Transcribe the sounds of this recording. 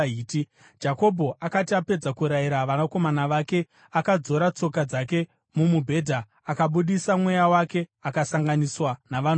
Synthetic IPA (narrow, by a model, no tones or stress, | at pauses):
iːti | d͡ʒako̞bʱo̞ʔakatiape̞d͡zakuɾaiɾaʋanako̞manaʋake̞ | akad͡zo̞ɾat͡so̞kad͡zake̞ | mumubʱe̞ːdʱaː | kaɓuɗisamwe̞jawake̞akasaŋɡaniswanaʋan